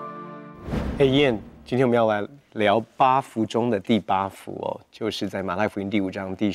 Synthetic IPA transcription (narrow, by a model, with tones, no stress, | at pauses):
e˥˩ɪjɛ˥˨˩nt͡ɕi˥nʰɛ˥nwjla˧˦ɪljɑ˧˥ʊpa˥fu˨˥ʈ͡ʂʊ˥ŋd̪ə˨t̪i˥˩pa˥fṵ˧˦ɔ̰˨˩t͡ɕjo˥˧ʊʂɻ̩˥˧t͡sa˥˩ɪma˨˩la˥˩fu˧˥i˧˥ŋnt̪̬i˥˩u˨˩ʈ͡ʂɑ˦ŋt̪i˥˧